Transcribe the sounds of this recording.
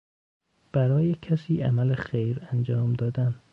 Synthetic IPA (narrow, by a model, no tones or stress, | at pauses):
b̥æɾɒːjecʰæsiːʔæmælexejɾænd͡ʒɒːmd̪ɒːd̪æn